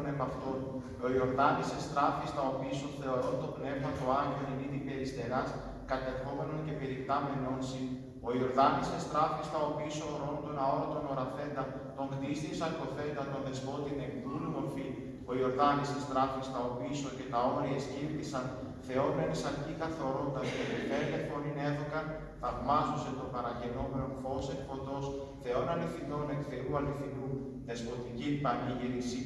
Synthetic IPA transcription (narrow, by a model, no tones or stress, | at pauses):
nebɐft̪on | o̞io̞ɾðɐnisest̪ɾɐfist̪ɐo̞piːsoθe̞o̞ɾo̞t̪o̞pne̞vmɐt̪oɐɾioniniðipe̞ɾist̪e̞ɾɐs | kɐt̪e̞xo̞me̞nonce̞peɾipt̪ɐmeno̞nsin | o̞io̞ɾðɐnisest̪ɾɐfist̪ɐo̞pisoɾonot̪o̞nɐo̞ɾot̪o̞no̞ɾɐθe̞nd̪ɐ | t̪o̞ŋkt̪iist̪isɐɾt̪o̞θe̞nd̪ɐt̪o̞nðesko̞t̪inekplulumo̞ɾfi | o̞io̞ɾðɐnist̪ist̪ɾɐfist̪ɐo̞piiso̞ce̞t̪ɐo̞ɾiesciɾtisɐn | θe̞o̞menisɐɾcikɐθo̞ɾo̞nt̪ɐevek̪ɐele̞fo̞nine̞ðo̞kɐ | θɐvmɐzose̞t̪o̞bɐɾɐʝe̞no̞me̞no̞fo̞sekfo̞t̪o̞s | θe̞o̞nɐlifθind̪o̞ne̞kθe̞ɾuɐliθid̪u | ðe̞spo̞t̪icipɐɲiʝiɾisi